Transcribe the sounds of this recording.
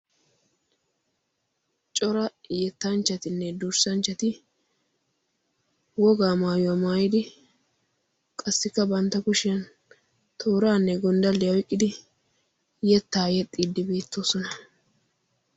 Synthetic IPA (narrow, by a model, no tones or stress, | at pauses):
t͡ʃʼɔɾɐjɛt̪ːɐnt͡ʃːɐt̪ɪnːɛd̪uɾsɐnt͡ʃːɐt̪ɪ | wɔɡaːmaːjɔamaːjɪd̪ɪ | kʼɐsːɪkːɐbɐnt̪ːɐkʊʃɪɐn | t̪ʰoːɾaːnːɛɡɔnd̪ɐlːɪjɐwɪkʼːɪd̪ɪ | jɛt̪ːaːjɛt̪ʼːiːd̪ːɪbeːt̪ːo̞ːsɔnɐ